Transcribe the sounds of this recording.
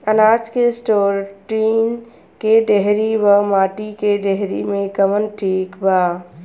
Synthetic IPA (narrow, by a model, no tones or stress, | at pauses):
ənaːd͡ʒkesʈoːɾʈiːn | keɖeɦɾibəmaːʈikeɖeɦɾḭmẽkəmənʈʰiːkbaː